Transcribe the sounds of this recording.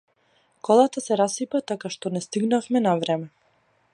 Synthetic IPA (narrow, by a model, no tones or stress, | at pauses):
kɔlˠat̪asɛɾasipat̪akaʃt̪ɔnɛst̪iɡnafmɛnavɾɛmɛ